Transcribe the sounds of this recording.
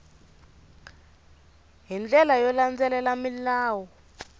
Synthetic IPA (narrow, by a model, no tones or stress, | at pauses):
ɦind͡ɮɛlajɔland͡zɛlɛlamilaːwɔ